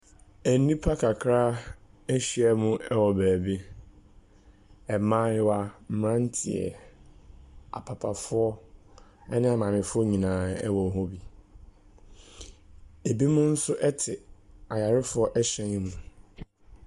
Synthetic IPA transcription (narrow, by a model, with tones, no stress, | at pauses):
æ˨˦nĩ˦pʰa˦kʰa˨kʰɾa˦ɛ˦ɕi˦ɛ˦mʊ̃˦ɛ˦wɔ˨bæː˨be˦ | ɛ˨mãː˦jɪ˦wa˨m̩˨mɾã˦n˦tʰɪ˨ɛ̰˨ | a̰˨pʰa˨pʰa˨fʊ˦ɔ˦ | ɛ˦nɪ̃˦a˨mã˨mɪ̃˨fʊ˦ɔ˦ɲĩ˨nãː˨˦ɛ̰˦wɔ˨ɦɔ˦bi˨ | e˨bi˦mʊ̃˦n̩˦sʊ˦ʔɛ˦tʰɪ˨a˨ja˨ɾɪ˦fʊ˦ɔ˦ʔɛ˦ɕɛ̃˨ɲĩ˦mũ˨